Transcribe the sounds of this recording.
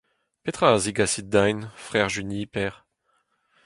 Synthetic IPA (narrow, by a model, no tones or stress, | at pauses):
pet̪χaziɡasid̪ajnfʁɛʁʒynipɛːʁ